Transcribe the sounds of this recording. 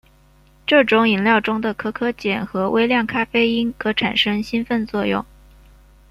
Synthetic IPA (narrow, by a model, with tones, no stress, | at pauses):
ʈ͡ʂɤ˥˩ʈ͡ʂʊ˧˥ŋi˨˩nljɑ˥˩ʊʈ͡ʂʊ˥ŋd̪ə˨kʰɤ˥kʰɤ˥t͡ɕjɛ˨˩nxɤ˧˥wʔḛ˥ɪljɑ˥˩ŋkʰa˥fe˥ɪi˥nkɤ˧˥ʈ͡ʂʰa˨˩nʂɤ˥ŋɕi˥nfə˥˧nt͡swɔ˥˧jʊ̰˥˩ŋ